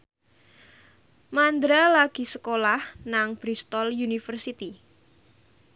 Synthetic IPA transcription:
mand̪ɾalaɡ̥i̤səkolahnaŋb̥ɾist̪ɔljunifərsit̪i

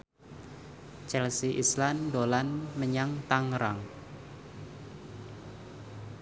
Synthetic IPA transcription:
t͡ʃɛlsiʔislandolanməɲaŋt̪aŋɾaŋ

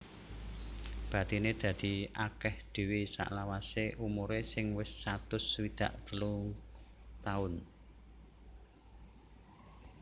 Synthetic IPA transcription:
b̥ä̤t̪ined̪̥ä̤d̪̥i̤akɛhd̪̥e̤wisa̰ʔlawaseʔumuɾesɪŋwɪsːat̪ʊswid̪̥a̤ʔt̪əlu | t̪aʊn

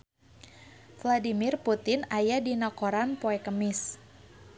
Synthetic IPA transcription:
fladimɪrput̪ɪnajadinɔkoɾanpoɛkəmɪs

